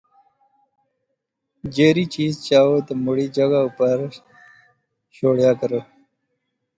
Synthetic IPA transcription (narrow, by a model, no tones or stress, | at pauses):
d͡ʒeːɾit͡ʃiːzt͡ʃaːwod̪əmʊɽid͡ʒəɡaupəɾ | ɕoːɽjaːkəɾə